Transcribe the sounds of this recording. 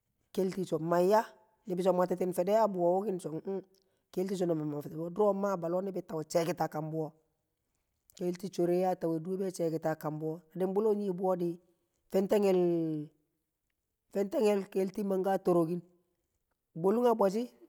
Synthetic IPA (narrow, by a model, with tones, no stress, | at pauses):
ke˦lti˨t͡ʃɔ˨ma˨ja˦ | nɪ˨bɪ˦sɔ˨ma˨tɪ˦t̬ɪ˦nfɛ˨dɛ˦ja˦bu˨wo˨wo˦kɪ˦nt͡ʃɔ˨ŋ̩˦ | ke˦lti˦t͡ʃo˨no˨ma˨ma˨fdbo˦dɾo˦ma˦ba˨lɔ˦nɪ˦bɪ˨ta˨we˨t͡ʃɛ˨kɪ˨ta˨ka˨mbu˦o˦ | ke˦lti˦t͡ʃo˨ɾe˦ja˦ta˨we˨du˦be˦t͡ʃɛ˨kɪ˨ta˨ka˨mbu˦o˦na˨dɪ˦mbu˦lo˦ɲi˦bu˦o˦di˦ | fɛ˦nte˦ŋɛl | fɛ˦nte˦ŋɛ˦lkelti˦ma˨ŋɡaː˦to˨ɾo˨ɡi˦n | bo˦lu˦ŋaba˨t͡ʃi˦